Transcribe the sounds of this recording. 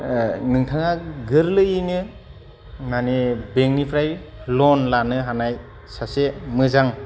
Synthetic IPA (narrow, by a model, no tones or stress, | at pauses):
nɯŋtʰaŋaɡɯɾlɯinɯ | nanibeŋnipʰɾajlɔnlanɯɦanaj | sasemɯzaŋ